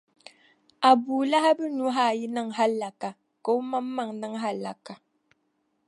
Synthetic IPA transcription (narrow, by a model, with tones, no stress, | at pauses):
a˨buː˨la˦ha˦bɨ˦nu˦ɦa˦˨ji˦nɨ˦ŋɦa˦lːa˨ka˨ | ka˨ʊ˦ma˦mː˦a˨ŋnɨ˦ŋɦa˦lːa˨ka˨